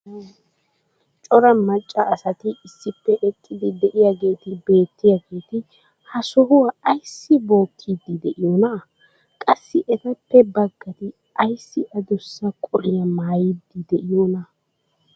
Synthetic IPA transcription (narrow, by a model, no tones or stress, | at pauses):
t͡ʃʼɔɾɐmɐt͡ʃʼːɐːsɐt̪ɪɪsːɪpːɛʔɛkʼːɪd̪ɪd̪ɛʔɪjaɡe̞ːt̪ɪbe̞ːt̪ːɪjaɡe̞ːt̪ɪ | hɐsɔhʊwaɐjsːɪbo̞ːkʰːid̪ːɪd̪ɛʔɪjɔnɐ | kʼɐsːɪʔɛt̪ɐpːɛbɐɡːɐt̪ɪ | ʔɐjsːɪʔɐd̪ʊsːɐkʼɔɾɪjɐmaːjɪd̪ːɪd̪ɛʔɪjɔːnɐ